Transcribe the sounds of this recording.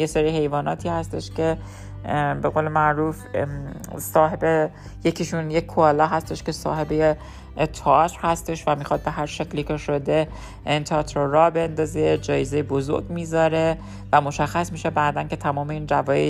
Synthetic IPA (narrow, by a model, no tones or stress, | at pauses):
jeseɾiːhe̞jvɒːnɒːt̪ʰiːhæst̪e̞ʃcʰe̞ | be̞ɣo̞ːle̞mæʔɾuːf | sɒːɦe̞be | jecʰiʃunjekʰːoɒlɒɦæst̪e̞ʃke̞sɒ̰ːɦebeje | t̪ʰeɒt̪ɾhæst̪e̞ʃvæmiːxɒːd̪̚be̞ɦæɾʃe̞kʰliːkʰe̞ʃo̞d̪e̞ | nt̪ʰɒt̪ʰɾoɾɒːbe̞nd̪ɒːzed͡ʒɒːjezejebozo̰ɾɡmiːzɒɾe̞ | væmo̞ʃæxːæsmiːʃe̞bæːd̪ænce̞t̪ʰæmɒːme̞iːnd͡ʒævɒːjḛ